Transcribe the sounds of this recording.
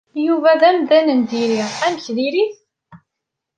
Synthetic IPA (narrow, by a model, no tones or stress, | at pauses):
juvæðæmðænənd̪iɾiʁæməçðiɾiθ